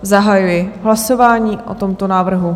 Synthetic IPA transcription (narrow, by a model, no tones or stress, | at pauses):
zaɦajujɪɦlaso̞vaːɲiːʔʔo̰t̪o̞mt̪onaːvr̩ɦu